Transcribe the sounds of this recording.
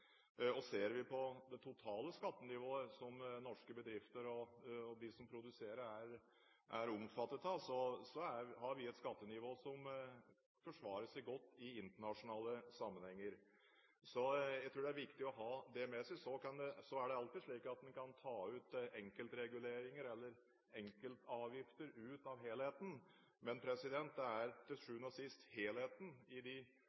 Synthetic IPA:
ɔseːɾʋɪpʰɔd̪ɛt̪ʰʊt̪ʰɑːləskɑt̪ːənɪʋoːəsɔmnɔʂkəbəd̪ɾɪft̪əɾɔd̪ɪsɔmpʰɾʊd̪ʉseːɾəæɾ | ʔæɾɔmfɑt̪ːət̪ɑsɔsɔæɾhɑɾʋɪɛt̪skɑt̪ːənɪʋoːsɔm | fɔʂʋɑːɾəsɛɪɡɔt̪ːɪɪnt̪əɳɑʂʊnɑːləsɑmːənhɛŋːəɾ | sɔjæɪt̪ʰɾuːɖ̪ɛæɾʋɪkt̪ɪɔɦɑːd̪ɛmɛsɛɪsɔkɑnd̪ɛsɔæɖɛɑlt̪ɪdʂɭiːkɑt̪̚d̪ɛnkʰɑnt̪ʰɑːʉːt̪ɛŋkəlt̪ɾɛɡʉleːɾɪŋəɾɛlːəɾ | ɛŋkəlt̪ɑːʋjɪft̪əɾʉːt̪ɑʋɦeːlheːt̪n̩ | mɛnpʰɾɛsɪd̪ɛnt̪̚d̪ɛæɾt̪ʰɪlʂʉːnɔsɪst̪heːlheːt̪n̩ɪd̪ɪ

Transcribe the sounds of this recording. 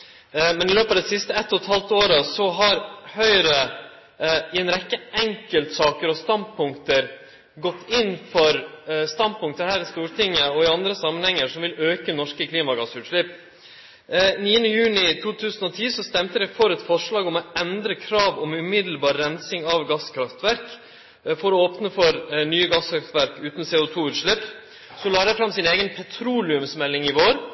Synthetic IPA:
mɛnɪløːpɑd̪ɛsɪst̪əɛt̪ːɔt̪hɑlt̪oːɾəsɔɦɑɾhœʏɾə | ɪɛɪnɾɛkːəʔɛŋkəlt̪sɑːkəɾɔst̪ɑnpʰʊŋkt̪əɾ | ɡɔt̪ʰːɪnfɔɾst̪ɑnpʰʊŋk̚t̪əhæːɾɪst̪uːɾʈʰɪŋːəɔɪɑnd̪ɾəsɑmːənhɛŋːəʂɔmʋɪløːkənɔʂkəkʰliːmɑɡɑsʉːt̪ʂɭɪpː | niːənəjʉːnɪt̪ʰuːt̪ʰʉːsən̩ɔt̪ʰiːsɔst̪ɛmt̪əd̪ɛfɔɾɛt̪fɔʂɭɑːɡɔmɔɛnd̪ɾəkʰɾɑːʋɔmʉmɪd̪l̩bɑːɾːɛnsɪŋɑʋɡɑskʰɾɑft̪ʋæɾk | fɔɾɔoːpnəfɔɾnyːəɡɑskɾɑft̪ʋæɾkʉːt̪n̩seːʊt̪ʰuːʉːt̪ʂɭɪpː | sɔlɑːɾɛfɾɑmsɪneːɡənpʰɛt̪ʰɾuːlɪʉmsmɛlːɪŋɪʋoːɾ

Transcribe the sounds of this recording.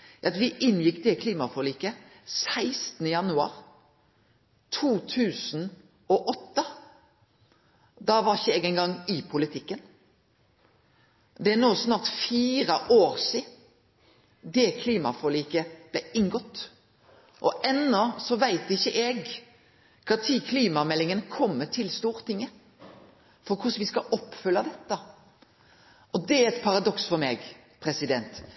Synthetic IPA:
ɑt̪ʋɪʔɪnjɪkːd̪ɛkʰliːmɑfɔliːkəsæɪst̪nəjɑnʉɑ̰ːʁ | t̪ʰuːt̪ʰʉːsn | ɔʔɔt̪ːə | d̪ɑːʋɑʁɪçəɛɡɛɪŋɡɑŋːɪpʰʊlɪt̪ʰɪkːən | d̪ɛænoːsnɑːʁt̪fiːɾəʔoːɾsiːd | d̪ɛkʰliːmɑfɔliːkəb̥læɪŋɡɔt̪ː | ʔɔʔɛnːɔsɔʋæɪt̪ɪçːəʔɛɡ | kʰɑt̪ʰiːkʰliːmɑmɛlːɪŋənəkʰɔmːət̪ʰɪlst̪uːɾt̪ɪŋːə | fɔɾkʰʊsʋɪskɑʔɔpːfʉlːɑd̪ɛt̪ːə | ʔɔd̪ɛæɾɛt̪pʰɑɾɑd̪ɔksfɔɾmɛːɡ | pʰɾɛsɪd̪ɛnt̪

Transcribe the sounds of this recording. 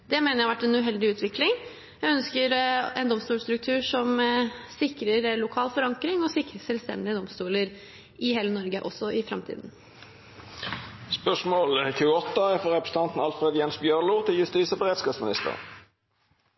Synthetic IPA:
d̪̥ɛmeːnəɾjæɑʋæʈːɛnʉːɦɛld̪ɪʉːt̪ʋɪklɪŋ | jæɪœnskəɾɛnd̪ɔmst̪uːlst̪ɾʉk̚t̪ʰʉːʂɔmsɪkɾəɾlʊkʰɑːlfɔɾɑŋkɾɪŋɔsɪkɾəsɛlst̪ɛ̰nd̪ɪəd̪ɔmst̪uːləɾ | ɪheːlənɔɾɡəʔɔsːɔʔɪfɾɑ̰mt̪ʰḭːd̪n̩ | spœʂmoːlçʰʉːɔt̪ːəfɔɾʁɛpɾəsəɑnt̪n̩ɑlfʁed̪jɛnsbjœʁluːt̪ʰɪljʉst̪iːsəbəʁeːd̪skɑːsmɪnɪ̰st̪ə̰ʁ

